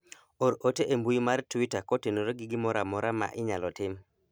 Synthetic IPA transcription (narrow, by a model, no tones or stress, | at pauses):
oɾoteʔembujimartwitakɔtenoɾoɡɪɡɪmɔɾamɔɾama̰ʔɪɲalɔtɪm